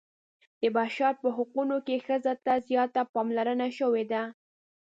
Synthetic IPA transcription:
d̪̥əbɑʃɑɾpəɦʊqunokexəzat̪azjɑt̪apɑmlaɾənaʃəwed̪a

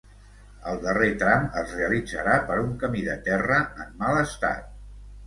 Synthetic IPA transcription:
əlˠd̪əret̪ɾamə̰zreəlid͡zə̰ɾapəɾuŋkəmiðət̪ɛrəəmːaləst̪a̰t̪̚

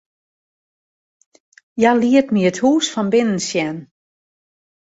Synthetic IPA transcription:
jaliətmiəthuːsfɔnbɪnən̩sjɛn

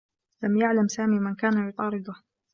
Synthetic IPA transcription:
lamjaʕlamsaːmiːmɪnkaːnajʊt̪ˤɑːɾɪd̪ʊh

